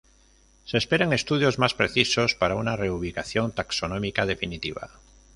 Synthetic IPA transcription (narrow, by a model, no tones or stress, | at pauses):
se̞ːspe̞ɾeŋe̞st̪uð̞jo̞zmaspɾe̞θiso̞spaɾaunare̞uβ̞ikaθjo̞nt̪akso̞nõmikaðe̞finit̪iβ̞a̰